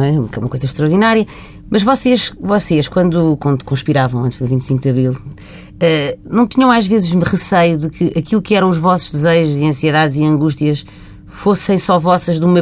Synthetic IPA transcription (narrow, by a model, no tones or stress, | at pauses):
ɛkɛumɐkojzɐʃt̪ɾɐɾðinaɾjɐ | mɐʒvɔseʃvɔseʃkwɐ̃nd̪ukɐ̃nd̪kõʃpiɾavɐ̃w̃ɐ̃nt̪ʒðɨvĩt̪sĩkðɐβɾilˠ | ɛnɐ̃w̃t̪iɲɐ̃w̃aʒvezɨʒmɨʁɨsɐjuðɨkʰɨʔɐkilˠukɛɾɐ̃w̃uʒvɔsu̥ʒd̪ɨzɐʒuziɐ̃siɨðaðziɐ̃ŋɡuʃt̪iɐʃ | fosɐ̃j̃sɔvɔsɐʒðumɐ